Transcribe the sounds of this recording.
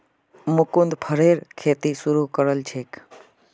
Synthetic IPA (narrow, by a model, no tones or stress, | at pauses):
mʊkund̪pʰəɾeɾkʰeːt̪isuɾukəɾəlt͡ʃʰeːk